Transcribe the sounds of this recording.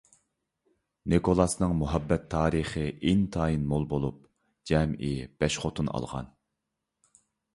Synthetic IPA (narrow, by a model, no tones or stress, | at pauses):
nekʰolˠɑsnɨŋmuɦɛbːɛt̪ʰːɑːɾiχəint̪ʰɑːinmolˠbolˠup̚ | d͡ʒɛmib̥ɛʃχot̪ʰunɑ̰lˠʁɑ̰n